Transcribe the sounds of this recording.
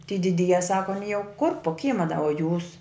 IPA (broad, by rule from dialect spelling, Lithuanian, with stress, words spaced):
tʲiː dʲɪˈdʲiːjɛ ˈsɑːkoː ɐˈnʲiː jɛʊ kʊr poː ˈkʲiːmɐ dɐ oː juːs